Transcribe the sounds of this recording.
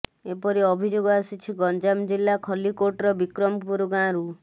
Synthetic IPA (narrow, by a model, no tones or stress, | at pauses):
epɔɾiɔbʱid͡ʒoɡɔasit͡ʃʰiɡɔnd͡ʒamd͡ʒilːakʰɔlikoʈɾɔbikɾɔmpuɾuɡãɾu